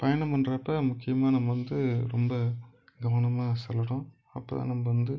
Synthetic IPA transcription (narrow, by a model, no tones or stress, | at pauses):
pɐjɐnɐmpɐnɾɐpːɐmʊkːɪjɐmaːnɐmːɐʋɐnd̪ɯɾɔmbɐɡɐʋɐnɐmaːsɛlːɐɽʊ̃ | ɐpːɐ̰ːt̪ã̰ːnɐmːɐʋɐnd̪ɯ